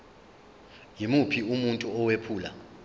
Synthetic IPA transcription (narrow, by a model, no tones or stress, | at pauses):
jimupʰiumuntʼuɔwepʰuːla̰